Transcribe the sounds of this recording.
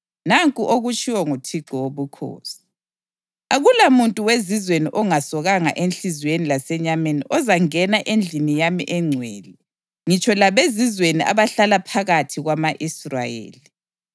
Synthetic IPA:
naŋkʼuʔoɣut͡ʃʰʼiwɔŋutʰiɡ͡ǃʱɔwoβukʰo̰ːsi̥ | aɣulamuntʼuwezizweniʔɔŋasɔɣaŋa̰ʔenɬizwenilasɛɲameniʔɔzaŋɛnaʔend͡ɮʱinijamḭʔɛŋ͡ǀʱweːli | ŋit͡ʃʰʼɔlaβezizweniʔa̰βaɬalapʰaɣatʰiɣwamaʔisra̰jḛːli

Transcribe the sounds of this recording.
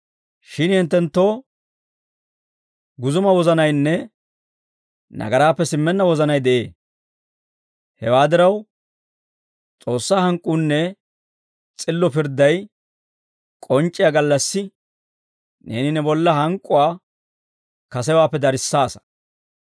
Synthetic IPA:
ʃɪnhɪnt̪ːɛnt̪ːo̞ː | ɡʊzʊmɐwɔzɐnɐjnːɛ | nɐ̰ɡɐɾaːpːɛsɪmːɛnːɐwɔzɐnɐjd̪ɛʔeː | hɛwaːd̪ɪɾɐw | t͡sʼo̞ːsːaːhɐŋkʼːuːnːɛ | t͡sʼɪlːɔpɪɾd̪ɐj | kʼɔnt͡ʃʼːɪjaɡɐlːɐsːɪ | nḛːnɪnɛbɔlːɐɦɐŋkʼːʊwaː | kɐsɛwaːpːɛd̪ɐɾɪsːaːsɐ̥

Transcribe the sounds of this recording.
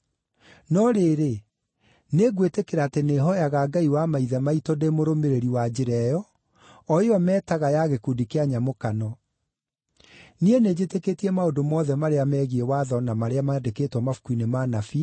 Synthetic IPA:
nɔɾeːɾe | neɣwetekeɾaːteneɦɔjaɣaːɡaiwamaiðɛmaitɔdemoɾomeɾeɾiwad͡ʑeɾɛjɔ | ɔeɔmɛːtaɣajaɣekudikeaɲamokanɔ | niened͡ʑeteketiɛmaodomɔːðɛmaɾeamɛɣiewaðɔnamaɾeamaɛndeketwɔmafu̥kuinemanafi

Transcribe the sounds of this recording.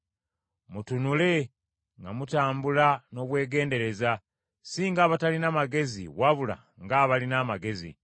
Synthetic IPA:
mutunule̞ | ŋɡa̰mutaːmbulano̞ːβwe̞ːɡe̞ːnde̞ɾe̞za | siːŋɡaːβatalinamaɡe̞zḭwaβula̰ | ŋɡaːβalinamaɡe̞zḭ

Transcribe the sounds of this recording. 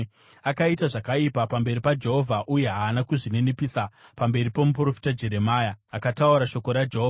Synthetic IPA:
akaitaʐakaipapambe̞ripad͡ʒe̞ɦo̞vʱaʔuje̞ɦaːnakuʐine̞nepisapambe̞ɾipomup̬uro̞fi̥tad͡ʒe̞ɾe̞maːjaːkatauɾaʃo̞ko̞ɾad͡ʒeɦova

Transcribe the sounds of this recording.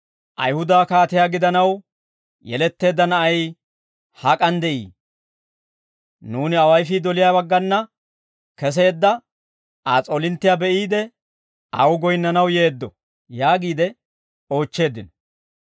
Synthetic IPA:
ʔɐ̰jhʊd̪aːkaːt̪ɪjaːɡɪd̪ɐnɐw | jɛ̰lɛt̪ːe̞ːd̪ːɐnɐʔɐj | hɐkʼɐnd̪ɛʔḭː | nuːnɪɐwɐjfɪd̪ɔlɪjaːbɐɡːɐnːɐ | kɛs̬e̞ːd̪ːɐ | ʔaːt͡sʼoːlɪnt̪ːɪjaːbɛʔiːd̪ɛ | ɐ̰wʊɡɔjnːɐnɐwje̞ːd̪ːɔ | jaːɡiːd̪ɛ | o̞ːt͡ʃːe̞ːd̪ːɪnɔ̥

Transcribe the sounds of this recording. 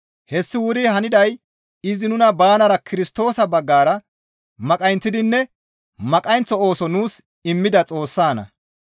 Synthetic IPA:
hɛsːɪwʊɾɪhɐnɪd̪ɐj | ɪzɪnʊnɐbaːnɐɾɐkʰɪɾɪst̪o̞ːsɐbɐɡːaːɾɐ | mɐkʼɐjnt͡sːɪd̪ɪnːɛ | mɐkʼɐjnt͡sːɔo̞ːsɔnuːs | ɪmːɪd̪ɐt͡sʼo̞ːsːaːnɐ̰

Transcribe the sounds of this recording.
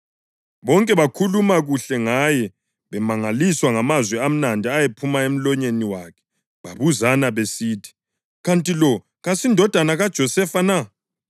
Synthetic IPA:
βɔŋkʼɛβakʰulumaɣuɬɛŋajɛ | βɛmaŋaliswaŋamazwɛam̩nandʱiajepʰumaem̩lɔɲeniwakʰɛ̥ | βaβuzanaβesiːtʰi̥ | ɣantʼilɔ | ɣasindʱɔd̥ʱanaɣad̥ʒ̥ʱɔsɛfana

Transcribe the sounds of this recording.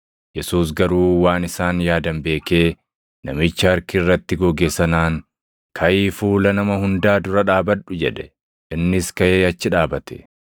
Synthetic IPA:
jɛsuːs̬ɡɐɾuːwaːnɪsaːnjaːd̪ɐmbe̞ːke̞ː | nɐ̰mɪt͡ʃːɐɐɾkɪːrːɐt̪ːɪɡɔɡeːsɐnaːŋ | kʰɐʔiːfuːlɐnɐmɐhʊnd̪aːd̪ʊɾɐᶑaːbɐᶑʊd͡ʒɛᶑɛ̥ | ʔɪnːɪskɐʔeːɐt͡ʃːɪᶑaːbɐt̪ʰɛ̥̰

